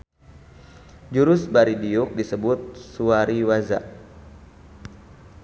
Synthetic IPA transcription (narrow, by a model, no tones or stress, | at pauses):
d͡ʒuɾʊsbaɾidiuk̚disəbʊt̪̚suaɾiwaza̰ʔ